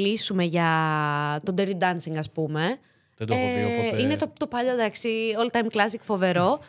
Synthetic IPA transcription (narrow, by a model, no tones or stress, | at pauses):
lisume̞ʝɐ | t̪o̞d̪eɾid̪ɐnsiŋɡɐspume̞ | d̪inet̪ot̪opɐʎoðɐksiolt̪ɐjmklɐs̬ikfo̞ve̞ɾo̞